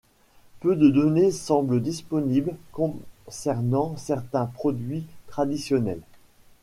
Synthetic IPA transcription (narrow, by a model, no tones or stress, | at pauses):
pød̪əd̪ɔnesɑ̃bləd̪ispɔniblkɔ̃sɛʁnɑ̃sɛʁt̪ɛ̃pχɔd̪ɥit̪χad̪isjɔnɛl